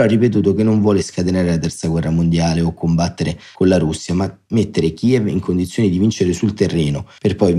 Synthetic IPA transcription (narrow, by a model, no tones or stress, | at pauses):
ɔarːipet̪̬uːt̪ok̟enːoɱvwɔːleskat̪enaːɾelat̪ɛrt̪saɡwɛrːamond̪jaːleokːombat̪ːeɾekonlaɾusːjama | met̪ːeɾek̟iːɛvḭŋkond̪it̪sjoːnid̪ivint͡ʃeɾesult̪erːɛːnoperpɔj